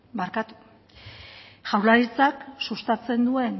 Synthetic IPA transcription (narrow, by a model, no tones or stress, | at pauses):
baɾkat̪u̥ | ʝawɾlaɾit͡saksust̪at͡se̞nd̪ue̞n